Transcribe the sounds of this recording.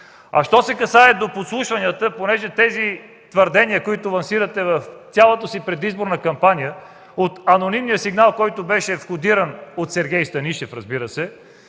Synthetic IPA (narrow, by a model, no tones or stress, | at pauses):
ɐ̰ʃt̪ɔsɛkɐsaɛd̪opot̪slˠuʃvɐnijət̪əponɛʒɛt̪ɛzi | t̪vəɾd̪ɛniəkoit̪ʊlˠɐnsiɾət̪ɛvəft̪ʲjalˠot̪əsipɾɛd̪izboɾnəkɐmpanʲijə | ot̪ɐnonimnijəsiɡnalˠkɔjt̪obɛʃɛfxod̪iɾənot̪sɛɾɡʲɛjst̪ɐniʃɛfɾɐzbiɾəsɛ